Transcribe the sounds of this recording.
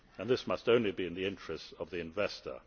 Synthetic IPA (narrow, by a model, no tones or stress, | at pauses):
ə̃nðɪsmʌstõʊ̃nlibiɨ̃nðiɪ̃nt͡ʃɹ̥ɨstəvðiɨ̃ɱvɛstə̰˞